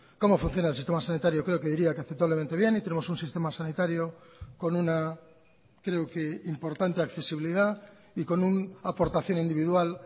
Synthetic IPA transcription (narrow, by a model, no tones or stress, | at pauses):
ko̞mo̞fũn̟θjo̞naelsist̪emasanit̪aɾjo̞kɾe̞oke̞ðiɾiakeaθep̚t̪aβle̞ment̪eβje̞nit̪e̞nemo̞sunsist̪e̞masanit̪aɾjoko̞nuna | kɾe̞oke̞impo̞ɾt̪ant̪e̞akθe̞siβiliða | iko̞nunapo̞ɾt̪aθjo̞nĩnd̪iβiðwal